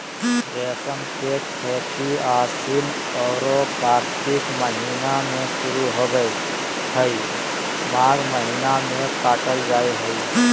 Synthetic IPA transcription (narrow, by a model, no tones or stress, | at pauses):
ɾɛːsəmsekkʰɛːkiaːɾsin | ɔːɾokaːɾt̪ɪkməɦinamẽʃʊɾuɦoːɡəe | hʰəi | maːɾməɦɪnamẽpaːʈəld͡ʒaːeɦəiː